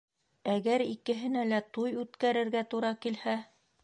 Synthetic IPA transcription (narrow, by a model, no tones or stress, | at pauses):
æɡæɾikɘ̆ɦɘ̆nælæt̪ujʉt̪kæɾɘ̆ɾɡæt̪uɾɑkilhæ